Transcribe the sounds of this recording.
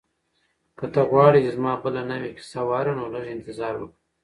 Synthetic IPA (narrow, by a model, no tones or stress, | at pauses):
kət̪əɣwɑɽit͡ʃezmɑːbəlanawekɪ̥sawɑːɾanoləʐɪnt̪ɪzɑːɾwək